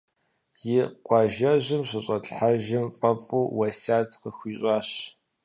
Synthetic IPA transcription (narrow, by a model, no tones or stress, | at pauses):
jɪqʷɑʒɐʑɪmɕɨɕʼɐtʼħaʒɪmfʼɐpʼuːwɐsaːtʰqəxʷiːɕʼɑːɕ